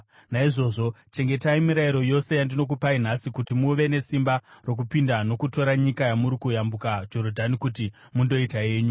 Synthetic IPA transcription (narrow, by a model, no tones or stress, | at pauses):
naiʐo̞ːʐo̞ | t͡ʃe̞ŋɡe̞taimiɾaiɾo̞jo̞se̞jandino̞k̬upain̤asikutimuʋe̞ne̞simbaro̞k̬upindano̞kuto̞ɾaɲikajamuɾikujambukad͡ʒo̞ɾodʱanikuti | mundo̞itae̞ːɲu